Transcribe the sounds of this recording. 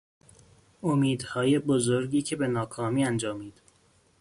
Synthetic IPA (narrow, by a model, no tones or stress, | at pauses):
omiːd̪hɒːje̞bozoɾɟiːcʰe̞be̞nɒːkʰɒːmiːænd͡ʒɒːmiːd̪̥